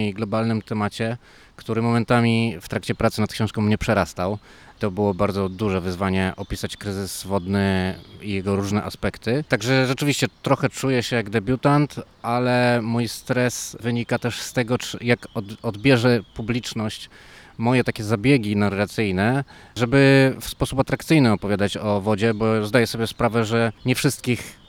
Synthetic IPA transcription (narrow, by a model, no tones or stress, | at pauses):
iɡlɔbalnɘmt̪ɛmat͡ɕɛ | kt̪uɾɘmɔmɛnt̪amʲift̪ɾakt͡ɕɛpɾat̪sɘnat̪̚kɕɔ̃w̃ʂkɔ̃w̃mɲɛpʂɛɾast̪aw | t̪ɔbɘwɔbaɾd̪zɔd̪uʐɛvɘzvaɲɛʔɔpʲisat͡ɕkɾɘzɘzvɔd̪nɘijɛɡɔɾuʐnɛʔaspɛkt̪ɘt̪aɡʐɛʐɛt͡ʂɘvʲiɕt͡ɕɛt̪ɾɔxɛt͡ʂujɛɕɛjaɡd̪ɛbʲjut̪ant̪ʔalɛmujst̪ɾɛsvɘɲikat̪ɛʂst̪ɛɡɔt͡ʂjakɔdɔd̪bʲjɛʐɛpublʲit͡ʂnɔɕt͡ɕ | mɔjɛt̪akʲɛzabʲjɛɡʲinarːat̪sɘjnɛ | ʐɛbɘfspɔsupat̪ɾakt̪sɘjnɘɔpɔvʲjad̪at͡ɕɔvɔd͡ʑɛbɔzd̪ajɛsɔbʲjɛspɾavɛʐɛɲɛfʂɘst̪̚kʲix